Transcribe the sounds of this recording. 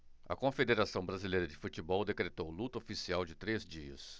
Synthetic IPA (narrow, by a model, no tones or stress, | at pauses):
ɐ̰kõfed̪eɾasɐ̃w̃bɾazilejɾɐd͡ʒɪfut͡ʃɪbɔwd̪ekɾet̪owlut̪ɐofisiawd͡ʒɪt̪ɾezd͡ʒiɐ̰s